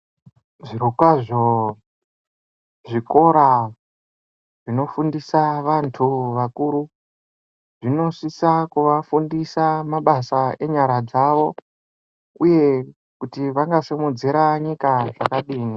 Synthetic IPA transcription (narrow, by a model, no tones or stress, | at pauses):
ʐiɾukwaʐo | ʐiko̞ɾa | ʐ̥ino̞fundisaʋantʰuʋakuɾu | ʐino̞sisakuʋafundisamaɓasae̞ɲaɾad͡zaʋo̞ | uje̞ | kutiʋaŋɡasemud͡ziɾaɲikaʐakaɗiːni